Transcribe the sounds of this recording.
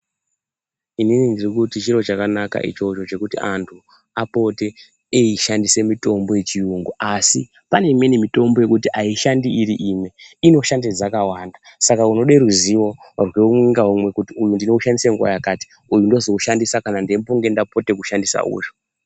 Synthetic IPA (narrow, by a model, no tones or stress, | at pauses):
ininindirikutit͡ʃiɾo̞t͡ʃakanaka̰ʔḭt͡ʃo̞t͡ʃo̞t͡ʃe̞kutiʔantʰu | apo̞te̞ː | iʃandise̞mito̞mbo̞je̞t͡ʃiuŋɡoʔasi | pane̞imwe̞nemito̞mbo̞je̞kutiʔaiʃandiiɾiʔimeino̞ʃanded͡zakawaːndasakauno̞ɗeɾuziʋo̞rweumwiŋɡaɦumwe̞kutiujundino̞uʃandiseŋɡuwa̰jakaːti̥ | ujundo̞zo̞uʃandisakanandempoŋɡe̞ndapo̞te̞kuʃandisa̰ṵːʐo